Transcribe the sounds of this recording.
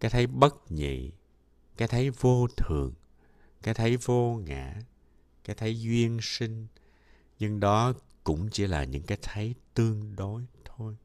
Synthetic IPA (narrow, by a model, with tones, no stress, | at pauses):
kaː˨˦˥jt̪ʰə˨˦jɓə˦˥t̚ɲḭ˧˨ | kaː˨˦˥jt̪ʰə˨˦jvo˧t̪ʰɨ˨˩əŋ | kaː˨˦jt̪ʰə˨˦jvo˧ŋa̰ː˧˩ | kaː˨˦jt̪ʰə˨˦jzwi˧ənsï˧ŋ̟ | ɲɨ˧ŋɗɔ˨˦ | kʊ̰˧˥ŋ͡mt͡ɕḭ˧˥laː˨˩ɲɨ̰˧˥ŋkaː˨˦jt̪ʰə˨˦jt̪ɨ˧əŋɗo˨˦jt̪ʰo˧j